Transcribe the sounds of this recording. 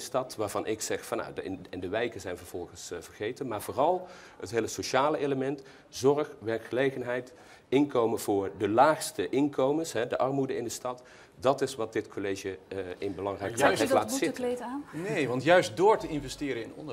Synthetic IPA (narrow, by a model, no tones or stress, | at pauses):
əstɑtʋaːɹvɑnʔɪksɛχfɑnːa̰wɛndəʋɛjkəzɛjnvəɹv̥ɔlˠχənsv̥əɹχejtənmaːɹvʊːrɑlˠ | hətɦejləsoʃaːləʔejləmɛnt | zɔrχʋɛɹkχəlejχənɦɛjt | ɪnkowmənvʊːɹdəlaːxstəʔɪnkowmənsɦɛdəʔɑɹmudəɪndəstɑt | dɑtɪsʋɑt̚dɪtkʰoleʒəɪnbəlɑŋrɛjkəaɛklaːtzɪtlejtaːnnejʋɑntjœɥstdʊːɹtəɪnvɛstɪːɾəɪnɔ̰n